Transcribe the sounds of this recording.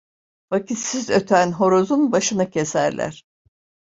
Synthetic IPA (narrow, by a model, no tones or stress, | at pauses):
vacisizø̞t̪ʰænɦo̞ɾo̞zunbaʃɯnacʰe̞sæɾlʲæ̰ɾ̥